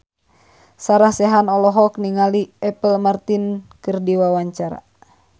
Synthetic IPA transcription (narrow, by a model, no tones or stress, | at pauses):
saɾahsɛɦanɔlɔɦɔkniŋaliɛpəlmart̪inkɨrdiwawaɲt͡ʃaɾa̰